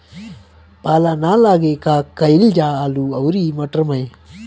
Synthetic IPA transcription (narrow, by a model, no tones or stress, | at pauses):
paːlanaːlaːɡekaːkːɐjlid͡ʒaaːluɐwɾimɐʈɾɐmɐj